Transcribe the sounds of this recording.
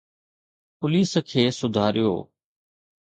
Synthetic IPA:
pʊliːskʰeːsʊd̪ʱaːɾɪjo̰ː

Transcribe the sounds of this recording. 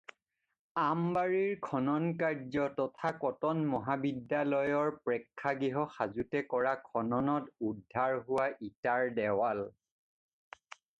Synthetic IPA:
ambaɹiɹkʰɔnɔnkaɹd͡ʒɔtɔtʰakɔtɔnmɔɦabidːalɔjɔɹpɹɛkʰːaɡiɦɔxazutɛkɔɹakʰɔnɔnɔtudʱːaɹɦʊwaʔitaɹdɛwal

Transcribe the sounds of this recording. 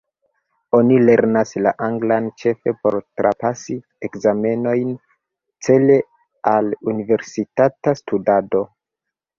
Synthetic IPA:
o̞nile̞ɾnaslaʔaŋɡlant͡ʃe̞fe̞po̞̰ɾtɾʔa̰pasi | ekzame̞no̞jn | t͡se̞le̞ | alunive̞ɾsitatastudado̞

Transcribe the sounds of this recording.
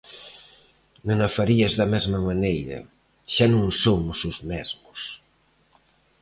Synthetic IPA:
nõŋɐfaɾiɐzðɐmɛzmɐmanejɾɐ̰ | ʃanõŋsomʊsʊzmɛzmʊs

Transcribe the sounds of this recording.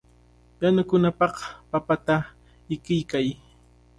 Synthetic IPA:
janʊkʊnapɑqpapat̪a | ɪkɪjkaj

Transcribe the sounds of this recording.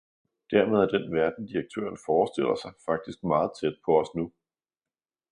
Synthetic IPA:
d̥æɐmeð̞ˠæd̥enʋæɐd̥n̩d̥iʁɐɡ̥̚t͡sʰø̰ːɐnfɒːsd̥e̝l̰ɐsɑ̈ɪfɑ̈ɡ̥̚d̥isɡ̥mɑ̈ːð̞̩ˠt͡sʰed̥̚pʰɒ̽ɒ̽snu

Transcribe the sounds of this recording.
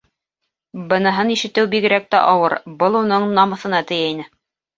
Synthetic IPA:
bɤ̆nɤ̆ɦɤniʃɘ̆t̪ɘwbiɡɘ̆ɾæk̚t̪æ̰ʔɑwɤɾbɤlˠunɤɴnɑmɤ̆θɤ̆nɑt̪ɘ̆jæinɘ

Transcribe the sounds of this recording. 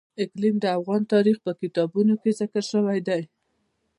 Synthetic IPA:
ɪklimd̪əafɣɑnt̪ɑɾixpəkɪt̪ɑbunokezɪkəɾʃəwajd̪aj

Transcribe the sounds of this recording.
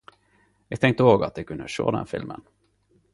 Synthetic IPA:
jæːɡ̚t̪ʰɛŋkt̪əoːɡat̪̚d̪ɛkʰɵnd̪əɕo̰ːd̪ɛ̰nfɪlmʔə̰n

